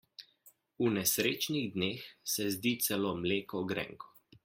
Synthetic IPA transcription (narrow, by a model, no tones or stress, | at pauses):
unɛsɾeːt͡ʃniɣd̪neːxsɛzd̪it̪sɛlomleːkɔɡɾɛ̰ŋkɔ̥